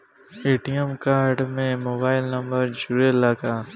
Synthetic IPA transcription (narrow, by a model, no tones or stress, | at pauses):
eːʈijəmkaːɾɖmẽmoːbaːɪlnɐ̃mbəɾd͡ʒʊɾelaːkaː